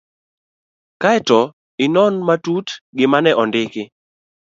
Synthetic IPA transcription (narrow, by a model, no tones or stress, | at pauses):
kaɛtɔ | ɪnɔnmatutɡɪmanɛʔɔndɪkɪ